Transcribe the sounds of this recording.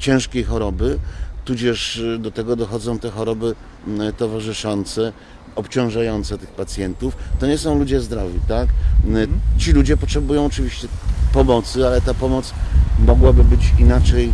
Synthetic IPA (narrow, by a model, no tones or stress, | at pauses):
t͡ɕɛ̃w̃ʂkʲejxɔɾɔbɘt̪ud͡ʑɛʂd̪ɔt̪ɛɡɔd̪ɔxɔd̪zɔ̃w̃t̪ɛxɔɾɔbɘ | t̪ɔvaʐɘʂɔnt̪sɛ | ɔpt͡ɕɔ̃w̃ʐajɔnt̪sɛt̪ɘxpat̪sʲjɛnt̪uft̪ɔɲɛsɔ̃w̃lud͡ʑɛzd̪ɾɔvʲit̪ak | t͡ɕilud͡ʑɛpɔtʂɛbujɔ̃w̃ɔt͡ʂɘvʲiɕt͡ɕɛpɔmɔt̪sɘalɛt̪apɔmɔt̪smɔɡwabɘbɘt͡ɕinat͡ʂɛj